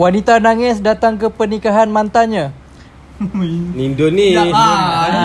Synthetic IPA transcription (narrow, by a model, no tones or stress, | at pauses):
wanit̪anaŋɪsdat̪aŋkəpənikaɦanmãnt̪aɲã | nindoni